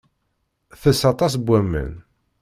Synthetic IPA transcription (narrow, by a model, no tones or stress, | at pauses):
θəsɑt̪ˤɑs̬bʷæmːə̰n